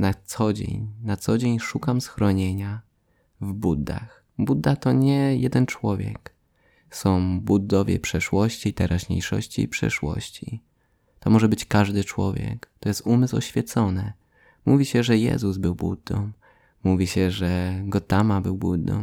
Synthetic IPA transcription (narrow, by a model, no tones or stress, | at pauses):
nat̪sɔd͡ʑḛɲnat̪sɔd͡ʑeɲʂukamsxɾɔɲeɲa | vbud̪ːa̰x | bud̪ːat̪ɔɲɛjɛd̪ɛnt͡ʂwɔvʲjɛ̰k | sɔ̃w̃bud̪ːɔvʲjɛ̰pʂɛʂwɔɕt͡ɕit̪ɛɾʔaʑɲḛjʂɔ̰ɕt͡ɕḭːpʂɛ̰ʂwɔ̰ɕt͡ɕi | t̪ɔmɔʐɛbɘt͡ɕkaʐd̪ɘt͡ʂwɔ̰vʲjɛ̰kt̪ɔjɛst̪umɘswɔ̰ɕfʲjɛt̪sɔnɘ | muvʲiɕɛʐɛjɛ̰zuzbɘwbṵd̪ːɔ̰̃w̃ː | uvʲiɕɛʐɛɡɔt̪amabɘwbud̪ːɔ̰̃w̃